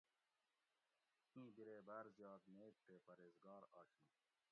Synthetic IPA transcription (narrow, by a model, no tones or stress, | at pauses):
ĩːbiɾeːbɐɾzjɑːd̪neːk̚ʈeːpɐɾeːzɡɑːɾɑːɕũː